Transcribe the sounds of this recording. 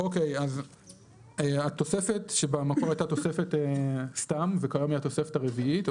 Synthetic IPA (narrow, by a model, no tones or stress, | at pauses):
ʔo̞ke̞jaz | eat̪ose̞fe̞tʃebamakoʁajt̪ato̞se̞fe̞test̪amvekajomiat̪o̞se̞fe̞taʁeviit